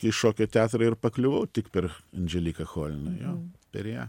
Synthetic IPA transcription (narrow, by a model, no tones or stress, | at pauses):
ɪʃoːkʲoːt̪ʲæːt̪ɾɐɪrpɐklʲʊʋɐʊt̪ʲɪkpʲɛɾɐnʲd͡ʒʲɛlʲiːkɐxoːlʲnɐjoːpʲɛɾjæː